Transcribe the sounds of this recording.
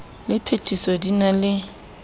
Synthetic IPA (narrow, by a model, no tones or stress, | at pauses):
lɪpʰetʰʼisɔdinalɪ